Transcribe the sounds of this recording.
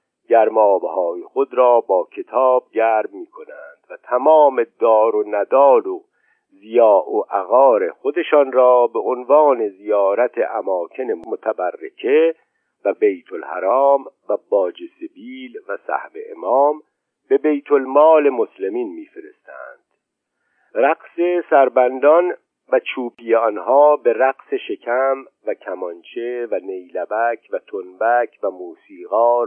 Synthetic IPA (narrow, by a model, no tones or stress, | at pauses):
ɟæɾmɒːbehɒːjixod̪ɾɒːbɒːcʰe̞t̪ʰɒːb̚ɟæːɾmmiːkʰo̞nænd̪̥væt̪ʰæmɒːme̞d̪ɒːɾonæd̪ɒːlo | zijɒːʔoʔæɣɒːɾe̞xod̪e̞ʃɒːnɾɒːbe̞ʔonvɑːne̞zijɒːɾæt̪ʰḛʔæmɒːkʰe̞ne̞mot̪ʰæbærːe̞̰kʰe | væbejt̪ʰolhæ̰ɾɑːmvæbɒːd͡ʒesebiːlvæsæ̰hbe̞̰ʔḛmɒːm | be̞bejt̪ʰolmɒːle̞mosle̞miːnmiːfeɾe̞̰st̪æ̰nd̪̥ | ɾæqse̞sæɾbænd̪ɒn | væt͡ʃʰuːpʰijeɒnhɒːbe̞ɾæqse̞ʃe̞cʰæm | væcʰæmɒnt͡ʃʰe̞væne̞jlæbæcʰvæt̪ʰonbæcʰvæmuːsiːɣɒː